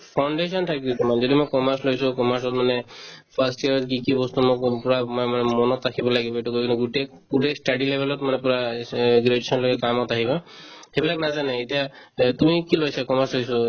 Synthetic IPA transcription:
pʰawɳɖesɔntʰakibɔt̪ɔmanzɔd̪imɔjkɔmaɾslojsukɔmaɾsɔtmanepʰasʈiaɹɔtkikibɔst̪umokpuɹamamanɛmɔnɔtakʰibɔlaɡibɔeʈukokintuɡuʈe | pudesʈaɖilebʱelɔtmanepuɹaɡɾedsʰɔnlokɛkamɔt̪aɦibahebilaɡnazaneːtijat̪umikilojsakɔmaɾslojsɔ

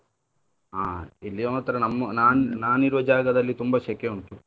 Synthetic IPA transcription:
aːilːijoːmɐt̪ːɐɾɐnɐmːɐnaːnnaːniɾʋɐd͡ʒaːɡɐd̪ɐlːit̪umbɐʃɐkjeuɳkːi

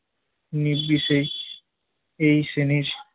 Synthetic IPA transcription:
nibisej | ejsenis

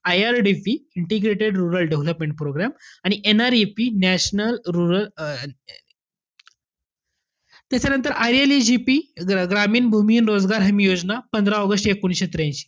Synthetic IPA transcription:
ajaɾɖifiiɳʈeɡɾeʈeɖɾuɾəlɖeʋləpmẽɳʈ̚pɾoɡɾamaɽ̃iʔenaɾepinæɕnəlɾuɾəl | t̪jat͡ɕanənt̪əɾʔaɾelid͡ʑipiɡɾamiːnbʱumiːnɾod͡zɡaɾɦəmijod͡znapənd̪ʱɾaɔɡəsʈekunɕet̪ɾãj̃t͡ɕi̥

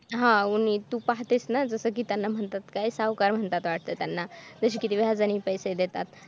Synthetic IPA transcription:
ɦãunit̪upaɦt̪esnad͡zəsəkiːt̪janːam̤əɳt̪at̪kajsaʋkaɾm̤əɳt̪at̪ʋaʈ̚t̪ət̪janːad͡zəɕ̬iːkit̪iʋad͡zañiːpəjsed̪et̪at̪

